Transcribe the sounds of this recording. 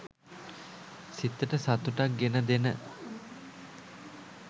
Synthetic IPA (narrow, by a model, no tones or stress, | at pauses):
sit̪ːəʈəsat̪uʈak̚ɡenəd̪enə